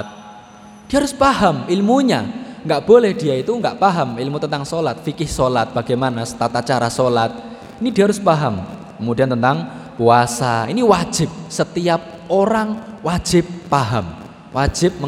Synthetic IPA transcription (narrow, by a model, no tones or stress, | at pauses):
t̪̚ | d̥i̤ɦaɾʊspahamilmuɲa̰ŋɡaʔb̥olɛhd̪̥i̤jait̪uŋɡaʔpaɦamilmut̪ənt̪aŋsolat̪̚fikɪhsolat̪̚b̥a̤ɡ̥emanasə̥t̪at̪at͡ʃaɾasolat̪̚ | inid̥i̤ɦaɾʊspaɦam | kəmudi̤ant̪ənt̪aŋ | kuasaḭniwḁʒ̥ɪp̚sət̪iap̚ | oɾaŋwḁʒ̥ɪp̚ːaɦam | wʔḁʒ̥ɪp̚m